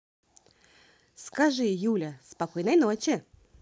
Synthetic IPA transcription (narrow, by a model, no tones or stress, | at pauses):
skaʐɨjulʲəspɐkojnəjnot͡ɕɪ